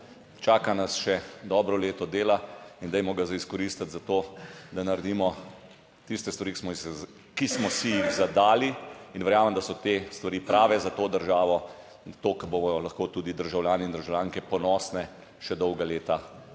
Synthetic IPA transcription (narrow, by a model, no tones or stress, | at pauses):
t͡ʃaːkanasʃɛd̪ɔːbɾɔleːt̪ɔd̪eːlaind̪ɛjmɔɡazaiskɔɾist̪at̪zat̪oːd̪anaɾɛd̪iːmɔ | t̪ist̪ɛst̪ʋaɾiksmɔ | kismɔsijiɣzad̪aːliinʋɛɾjaːməmd̪asɔt̪est̪ʋaɾiːpɾaːʋɛzat̪oːd̪əɾʒaːʋɔ | t̪oːkɛɾboɔlaxkoːt̪uːd̪id̪əɾʒawljaːnɛind̪əɾʒawljaːŋkɛpɔnɔːsnɛ | ʃɛd̪ɔwɡaleːt̪a